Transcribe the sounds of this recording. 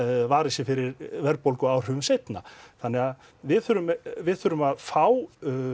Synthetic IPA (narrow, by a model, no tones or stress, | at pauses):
vaːɾɪsɪfɪɾɪɾvɛɾpowlkʏaːwr̥ʏvʏmsejt̪naθanːɛɣað | vɪðθʏɾʏmvɪðθʏɾʏmaðfaw